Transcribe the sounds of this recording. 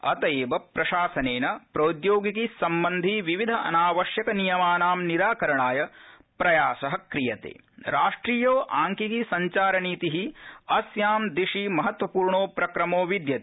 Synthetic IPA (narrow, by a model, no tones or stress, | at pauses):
ɐ̰t̪ɐeːʋɐpɾɐʃaːsɐneːnɐpɾoːd̪joːɡikisɐmbɐnd̪ʱiʋiʋid̪ʱɐɐ̰naːʋɐʃjɐkɐnijɐmaːnaːmniɾaːkɐɾɐɳaːjɐ | pɾɐjaːsɐɦɐkɾijɐt̪ḛː | ɾaːʂʈɾiːjoːʔaːŋkikisɐɲt͡ʃaːɾɐniːt̪iɦiɐsjaːmd̪ɾiʂimɐɦɐt̪ʋɐpuːɾɳoːpɾɐkɾɐmoːʋid̪jɐt̪e